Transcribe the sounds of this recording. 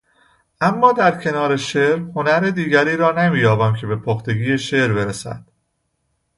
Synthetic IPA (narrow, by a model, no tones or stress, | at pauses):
ʔæmːɒːd̪æɾcʰe̞nɒːɾe̞ʃeɾho̞næɾed̪iːɡæɾiːɾɒːnemiːjɒːbæmcʰe̞be̞pʰoxt̪e̞ɡiːjeʃeɾbe̞ɾesæ̰d̪̥